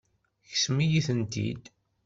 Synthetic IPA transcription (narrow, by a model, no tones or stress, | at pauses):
çəsmijiθənt̪ḭd̪